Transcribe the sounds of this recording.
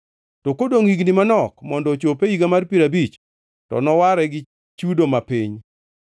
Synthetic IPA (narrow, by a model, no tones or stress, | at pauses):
tɔkodoŋiɡnɪmanɔkmɔndɔt͡ʃopeiɡamarpiɾabit͡ʃ | tɔ̰nɔwaɾɛɡɪ | t͡ʃudomapiɲ